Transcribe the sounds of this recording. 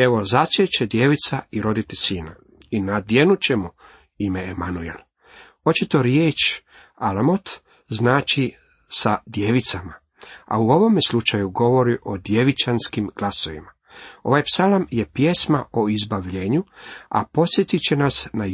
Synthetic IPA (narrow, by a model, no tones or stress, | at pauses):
e̞ʋo̞zat͡ʃ̪et͡ɕed̪je̞ʋit̪saiɾo̞d̪it̪esiːna̰ | inad̪je̞nut͡ɕe̞mu | imeːmanuel | o̞t͡ʃit̪o̞ɾjeːt͡ʃ | alamot̪ | znaːt͡ʃi | sad̪jeːʋit̪sama | a̰uo̞ʋo̞meslut͡ʃajuɡo̞ʋo̞ɾiʔo̞d̪je̞ʋit͡ʃanskimɡ̥laso̞ʋḭma | o̞ʋajpsalamje̞pje̞smaoizbaʋʎeːɲua̰po̞t̪sjet̪it͡ɕe̞nasna